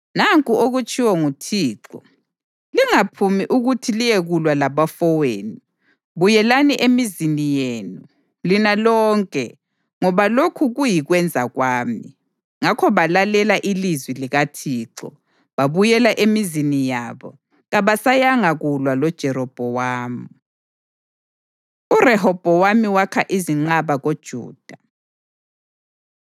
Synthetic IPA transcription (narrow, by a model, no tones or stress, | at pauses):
naŋkʼuoɣut͡ʃʼiwɔŋutʰiːǁɔ | liŋapʰumiʔuɣutʰilijɛɣulwalaβafɔweːni | βujɛlaniʔemizinijeːnu | linalɔːŋkʼɛ | ŋɔβalokʰuɣujiɣwɛnd͡zʱaɣwaːmi | ŋakʰɔβalalɛlaʔilizwiliɣatʰiːǀɔ̰ | βaβujɛlaʔemizinijaβɔ | ɣaβasajaŋaɣulwalɔd̥ʒ̥ʱɛɾɔb̥ʱɔwaːmu | urɛhɔb̥ʱɔwamiwakʰaʔiziŋ͡ǃaβaɣod̥ʒ̥ʱṵːd̥ʱa